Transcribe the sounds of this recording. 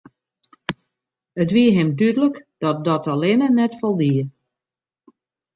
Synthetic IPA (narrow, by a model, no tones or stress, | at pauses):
ətʋiəɦɪmdydələkd̥ɔt̚dɔtəlɪnənɛtfɔlˠdiə